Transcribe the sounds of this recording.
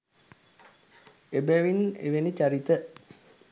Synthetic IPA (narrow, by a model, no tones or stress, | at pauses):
ebæʋinḛʋenit͡ʃaɾit̪ə